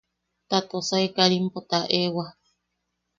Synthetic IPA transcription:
t̪at̪osaekaɾimpot̪aʔewa

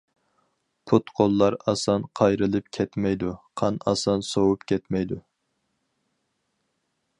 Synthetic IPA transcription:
pʰut̪qʰolˠːɑɾɑsɑnqʰɑjɾɨlˠɨpkʲʰɛt̪mɛjd̪uqʰɑnɑ̰sɑnsowupkʲʰɛt̪mɛjd̪u

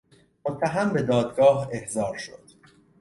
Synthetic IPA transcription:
mot̪ʰːæɦæmbe̞d̪ɒːd̪ɡɒːɦe̞hzɒːɾʃo̞̰d̪̥

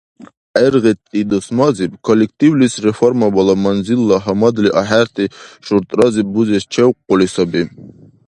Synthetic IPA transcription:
ɛɾʁɛt̪ʼːid̪ɔsmazibkʰɔlʲɛk̚ʰt̪ʼiwlisrɛfɔɾmabalˠamanzilːaɦɐmad̪liʔaħæɾt̪ʰʼiʃuɾt̪ʼɾazibuzɛst͡ʃʰɛwqːɔlisabi

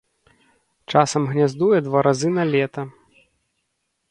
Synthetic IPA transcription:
t͡ʂasɐmɣnʲazd̪ujɛd̪vaɾazɨnɐlʲɛt̪ɐ

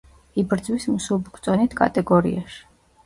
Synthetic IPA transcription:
ibɾd̪zwismusulbkʰʼt̪sʼɔnit̪ʰkʼa̰t̪ʼɛɡɔɾḭa̰ʃi̥

